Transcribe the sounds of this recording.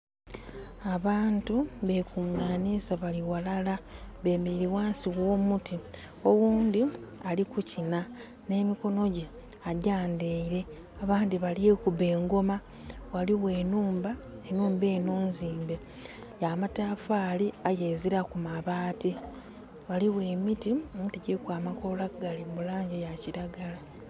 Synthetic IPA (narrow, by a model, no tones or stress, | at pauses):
aβaːntuβekuŋaːnisaβaliwalalaβe̞ːmiɾiwaːnsiɣwo̞ːmuti | o̞wuːndialikucina | ne̞ːmiko̞no̞ɟe | aɟaːndeiɾe̞ | aβaːndiβaljekuβe̞ːŋɡo̞ma | waliwe̞ːnuːmbaenuːmbe̞ːnoːnziːmbe | jamatafaːliajeziɾakumaβaːti | waliwe̞ːmitimuteɟekwaːmako̞laɡalimulaːɲɟejaciɾaɡala